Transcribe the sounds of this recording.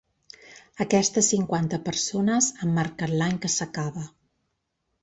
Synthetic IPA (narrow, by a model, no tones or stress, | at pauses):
əkɛst̪əsːiŋkwant̪əpərsonəzəmːaɾkənlaɲkəsəkaβə